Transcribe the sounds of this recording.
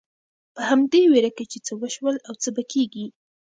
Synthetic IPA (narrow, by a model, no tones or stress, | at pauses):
pəhamd̪eweɾaket͡ʃet͡səwəʃwəlawt͡səbakeɡi